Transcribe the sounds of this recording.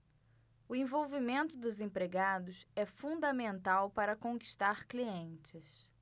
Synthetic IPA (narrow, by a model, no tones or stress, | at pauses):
ʊẽvowvimẽnt̪ʊd̪ʊzẽpɾeɡad̪ʊsɛfũnd̪ɐmẽnt̪awpaɾɐkõki̥ʃt̪aɾkliẽnt͡ʃɪs